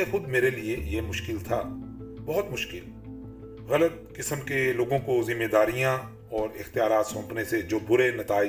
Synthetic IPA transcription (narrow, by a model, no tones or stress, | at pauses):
exʊd̪meːɾeliejemʊʃkɪlt̪ʰaː | bɔɦʊt̪mʊʃkɪl | ɣɐlət̪̚kɪsəmkeloːɡõkozɪmːeːd̪aːɾijã | ɔːɾɪxt̪ijaːɾaːt̪sɔ̃ːpnesed͡ʒoːbʊɾenɐt̪aːɪ